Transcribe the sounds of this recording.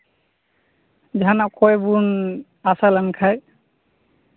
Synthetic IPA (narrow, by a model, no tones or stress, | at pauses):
d͡ʒɦanaʔkʰɔjbun | asalankʰaj